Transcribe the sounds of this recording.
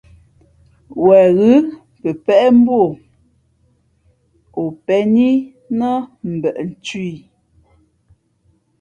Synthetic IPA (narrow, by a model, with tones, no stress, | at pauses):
wɛ˨ɣʉ˦ | pə˨pɛ˦ʔɛ˦m̩˦bwo˦˨ | o˨pɛ˨˦ni˦ | nə˦m̩˨bɛ˨ʔn̩˨t͡ʃɥi˦˨